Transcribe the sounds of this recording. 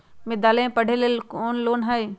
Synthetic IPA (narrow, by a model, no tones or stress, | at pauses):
mɪd̪aːlẽpɐɽ̤ʱelekoːnloːnɦəi